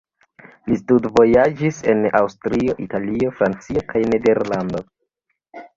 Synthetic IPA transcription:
listudvo̞jad͡ʒise̞nawstɾio̞ʔitalio̞fɾant͡sio̞kʰajne̞de̞ɾlando̞

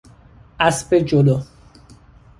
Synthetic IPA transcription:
asped͡ʒolo

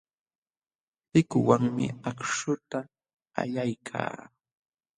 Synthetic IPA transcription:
tɪkʊwaŋmɪ̰akʂʊt̪a | a̰ʎajkʰa̰ː

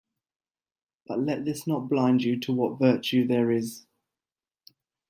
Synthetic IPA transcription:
b̥ʌʔlɛʔðɪsnəʔ̚b̥lãɪ̃nd͡ʒjətʰəwɒtvɜˑt͡ʃʉðəɹɪz̥

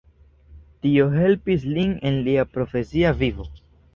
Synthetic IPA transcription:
tio̞ɦe̞lpisline̞nliapɾo̞fe̞siavivo̞

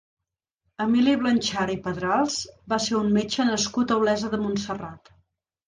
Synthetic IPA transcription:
əmiliβlənʲt͡ʃaɾipəðɾalˠzbaseɾunmet͡ʃənəskut̪əwlɛzəðəmunsərat̪

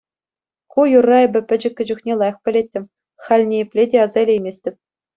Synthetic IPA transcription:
kujurːɑebʲɘ̆pʲɘ̆d͡ʑɘ̆kʲːɘ̆d͡ʑŭxnʲelˠɑjɤ̆χpʲɘ̆lʲet̚ʲːɘ̆mʲ | χɑlʲnʲejɘpʲlʲedʲeɑzɑlʲejmʲesʲtʲɘ̆p̚ʲ

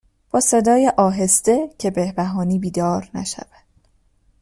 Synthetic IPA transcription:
b̥ɒːse̞d̪ɒːjeʔɒːɦe̞st̪e̞cʰe̞be̞hbæɦɒːniːbiːd̪ɒːɾnæ̰ʃæ̰væd̪̥

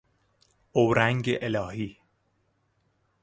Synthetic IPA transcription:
owɾæŋɟeʔelɒːhiː

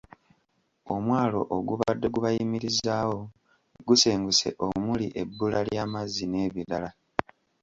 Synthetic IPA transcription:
o̞mwaːlo̞ʔoɡuβadːe̞ɡuβajimiɾizaːwo̞ | ɡuse̞ːŋɡuse̞̰ʔo̞muliʔe̞bːulaljaːmazːine̞ːβilala

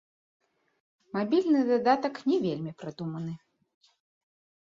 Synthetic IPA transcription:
mabʲilʲnɨd̪ad̪at̪ɐknʲɛvʲelʲmʲipɾad̪umɐnɨ

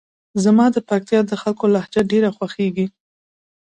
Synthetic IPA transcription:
zamɑd̪əpak̚t̪jɑd̪əxalkolahd͡ʒaɖeɾaxwaxeɡi

